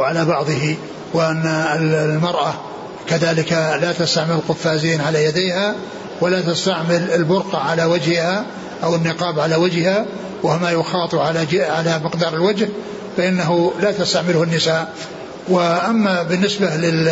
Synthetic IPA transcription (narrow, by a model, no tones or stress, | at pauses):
ʕalabɑʕðˤɨhi | wɪʔanːaɪllmɑɾˤʔa | kaðaːlɪkalat̪ast̪aʕmɪlɪlqʊfːaːziːnʕalajad̪eːha | walat̪ast̪aʕmɪlɪlbʊɾqɑʕalawad͡ʒhɪha | ʔawɪnːɪqɑːbʕalawad͡ʒhɪha | wɪhmajʊxɑːt̪ˤʕaʕalamɪqd̪ɑːɾˤɪlwad͡ʒh | faʔɪnːaɦulat̪ast̪aʕmɪlʊhʊnːɪsaː | wɪʔamːabɪnːɪsbalɪ